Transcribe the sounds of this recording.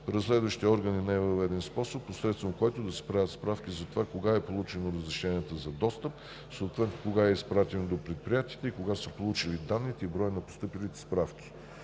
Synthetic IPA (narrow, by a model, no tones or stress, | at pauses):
pɾəslɛd̪vəʃt̪iəɔɾɡəninaɛvəɐvɛd̪ɛnspɔsopːosɾɛt̪st̪vəmkɔjt̪od̪ɐspɾavʲət̪spɾafkizɐt̪ovakoɡaɛpolˠut͡ʃɛnoɾəzɾɛʃɛnʲiət̪əzɐd̪ɔst̪əp̚ | soːt̪vɛt̪nokoɡaɛispɾat̪ɛnod̪opɾɛt̪̚pɾʲijat̪iːt̪ɛikoɡasəpolˠut͡ʃilid̪anːit̪ɛibɾɔjənɐpo̥st̪ɤpilit̪ɛ̥spɾafkʲi̥